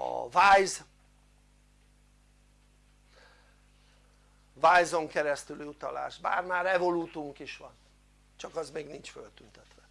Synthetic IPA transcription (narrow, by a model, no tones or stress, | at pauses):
ɒ̰vaːjz | vaːjzo̞ŋkɛɾɛst̪yliut̪ɒla̰ːʃba̰ːrmaːɾɛvo̞luːt̪uŋkiʃʋɒn | t͡ʃɒkɒzmeːɡnint͡ʃfølt̪ynt̪ɛt̪ʋɛ